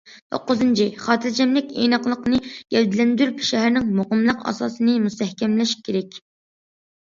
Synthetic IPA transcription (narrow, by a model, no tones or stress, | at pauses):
t̪ʰo̰qːʊzɨnt͡ʃʰiχɑːt̪ʰɨɾd͡ʒʰɛmlɪkʲḛnɑqlˠəqnɨɡ̥ʲɛld̪ɪlɛnd̪yɾypʃɛɦæɾnɪŋmoqəmlˠəqɑ̰sɑ̰ːsɨnɨmust̪ʰɛhkʲʰɛmlɛʃkʲʰːeɾɛkʲ